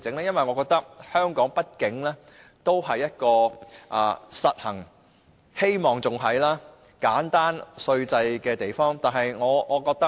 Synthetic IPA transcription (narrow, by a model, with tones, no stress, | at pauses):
t͡sɪ˨˥ŋlɛː˥jɐ˥nwɐ˨jŋɔː˨˧kɔː˧k̚t̪ɐ˥k̚hœː˥ŋkɔː˨˥ŋpɐ˥t̚kɪ˨˥ŋlɛː˥ | t̪o˥wɦɐ˨jːɐ˥t̚kɔː˧ʔaː˧sɐ˨t̚hɐ˨˩ŋ | he˥jmɔː˨˩ŋt͡sʊ˨ŋɦɐ˨jlaː˥ | kaː˨˥nt̪aː˥nsɵ˧ɥt͡sɐ˧jkɛː˧t̪e˨˩jfɔː˥ŋt̪aː˨nɦɐ˨jŋɔː˨˧ŋɔː˨˧kɔː˧k̚t̪ɐ˥